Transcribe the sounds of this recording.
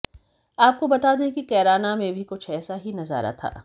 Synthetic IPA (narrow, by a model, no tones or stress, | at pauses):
aːp̚kobɐt̪aːd̪ekikɛːɾaːnamẽbʱikʊt͡ʃʰɛːsaɦinɐza̰ːɾa̰t̪ʰa̰ː